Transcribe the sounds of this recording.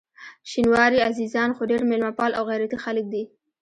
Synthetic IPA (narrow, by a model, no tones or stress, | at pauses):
ʃinwɑɾiazizɑnxoɖeɾmelmɑpɑlawɣajɾat̪ixalək̚d̪i